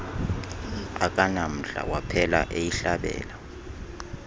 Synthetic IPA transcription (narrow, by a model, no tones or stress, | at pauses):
akʼanam̩ɬa̰wapʰɛlaʔejiɬaɓɛ̰ːla